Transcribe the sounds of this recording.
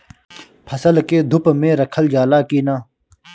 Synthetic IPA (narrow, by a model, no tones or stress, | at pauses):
pʰəsəlkeːd̪ʱʊpmẽːɾəkʰəld͡ʒaːlaːkiːnaː